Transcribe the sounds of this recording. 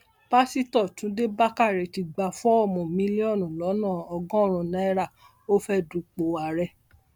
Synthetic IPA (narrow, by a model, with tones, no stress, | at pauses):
pa˦si˦tɔ˦˨tũ˨˦de˦ba˦ka˦˨ɾɛ˨ti˧ɡ͡ba˧fɔ˦ɔ˦˨mɔ̃˨mĩ˦li˦ɔ˦˨nũ˨lɔ˨˦nãː˦˨ɔ˧ɡɔ̃˦ɾ̃ũ˧nã˨˦ɛ˦ɾa˦˨ | o˦fɛ˦du˨k͡po˨wa˨ɾɛ˧˨